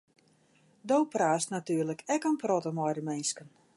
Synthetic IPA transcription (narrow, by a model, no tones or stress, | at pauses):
dowpraːstnatyːərləkʰɛkənprɔtəmɔjdəmɪnskən